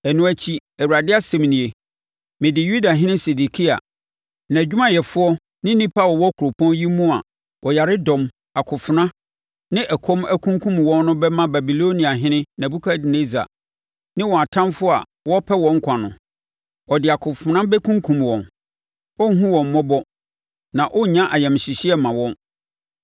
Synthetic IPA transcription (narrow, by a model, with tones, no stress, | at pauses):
ɛ˨nũ˨˦æ˦t͡ɕʰi˦æ˨wu˨ɾa˨dɪ˦a˦sɛ̃˨m˨nĩ˨e˨ | mɪ̃˨dɪ˨ju˦da˨ɦɪ̃˦nɪ̃˦se˨di˨kʰi˦a̰˨ | nã˨d͡ʑᶣu˦mã˦jɛ˨fʊ˦ɔ˦ | nɪ̃˦nĩ˦pʰa˦˨wɔ˨wɔ˦kʰu˨ɾo˨pʰɔ̃˦nji˦mũ˦a̰˨ | ʔɔ˨ja˨ɾɪ˦dɔ̃˨m | a˨kʰʊ˨fʊ˨nã˦ | nɪ̃˦ʔɛ˨kʰɔ̃˦mæ˦kʰũ˦ŋkʰũ˦mwɔ̃˦nːʊ̃˦bɛ˦mã˦ba˨bi˨lo˦nĩ˨a˨ɦɪ̃˦nɪ̃˦nã˨bu˦kʰa˦dɪ˨ne˦za̰˨ | nɪ̃˦wɔ˨a˨tʰã˦mfʊ˦a̰˨ | wɔ˦pʰɛ˦wɔ̃˨ŋ̩˦kʷʰa˨nʊ̰̃˨ | ɔ˨dɪ˨a˨kʰʊ˨fʊ˨nã˦bɛ˦kʰũ˦ŋkʰũ˨mwɔ̃˨n | ɔ˦ɦũ˦wɔ̃˨m̩ː˨ɔ˦bɔ˦ | nã˨ʔɔ˦˨ɲã˦ʔa˨jɛ˨m˨ɕi˨ɕi˦ɛ˦mã˨wɔ̃˦n